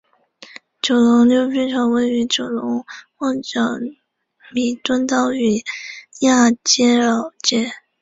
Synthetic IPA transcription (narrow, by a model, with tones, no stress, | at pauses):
t͡ɕjo˨˩ʊlʊ˧˥ŋljo˧˥ʊt͡ɕy˥ʈ͡ʂʰɑ˧˥ŋwə˥ɪy˧˥t͡ɕjo˨˩ʊlʊ˧˥ŋxɑ˥˩ŋʈ͡ʂɑ˨˩ŋ | mi˧˨˩t̪wə˥nt̪ɑ˥˩ʊy˨˩ja˥˩t͡ɕjɛ˥ɻɑ˨˩ʊt͡ɕjɛ˥˩